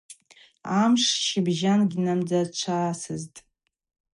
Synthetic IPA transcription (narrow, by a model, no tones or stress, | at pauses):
amʂʃibʒanɡʲinamd͡zat͡ʃʷʰaːsɨztʼ